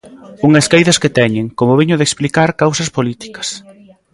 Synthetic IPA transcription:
uŋɐskajðɐsket̪ɛɲeŋkomʊβiɲʊðeksplikaɾkawsɐspolit̪i̥kɐ̥s

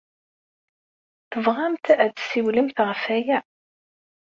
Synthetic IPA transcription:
θəvʁamt̪æðsiwləmθʁəfæjæ

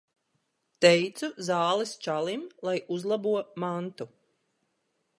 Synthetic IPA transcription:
t̪ɛjt̪suzɑːlˠist͡ʃalˠimlˠajuzlˠabuɔmant̪u

